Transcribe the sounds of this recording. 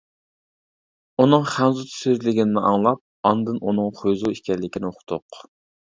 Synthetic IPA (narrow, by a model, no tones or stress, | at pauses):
unɨŋχænzut̪ʰsyzlɪɡʲinɪnɪʔɑŋlˠɑp̚ɑnd̪ɨnunɨŋχojzuiʃkʲɛɾlɪkʲʰinɪoqʰʊ̥t̪ʰʊq